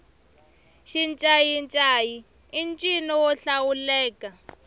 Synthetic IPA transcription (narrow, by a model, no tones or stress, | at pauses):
ʃint͡ʃʼajint͡ʃʼajiː | nt͡ʃʼinɔwɔɬawulɛːkʼa